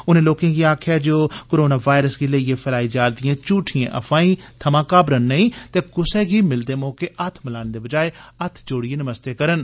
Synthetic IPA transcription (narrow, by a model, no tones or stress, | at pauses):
ʊnẽːloːkẽːɡiːaːkʰjaːd͡ʒoːkoːɾoːnaːʋaːɪɾəsɡiːləieːpʰəlaːiːd͡ʒaːɾd̪ɪjãːt͡ʃuːʈʰijã̰ːʔə̰fʰaːĩːt̪ʰəmãːkaːbɾənːəĩːt̪eːkʊsɛːɡiːmɪld̪eːmoːkeːʔət̪ʰmɪlaːned̪eːbəd͡ʒaːeət̪ʰd͡ʒoːɽieːnəməst̪eːkəɾən